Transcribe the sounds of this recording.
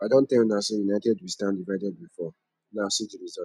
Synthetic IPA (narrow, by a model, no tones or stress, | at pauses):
adõn̩tɛ̃knasejunaɪtɛdbistãndivaɪdɛd̚bifɔ | nasidiɾizɔ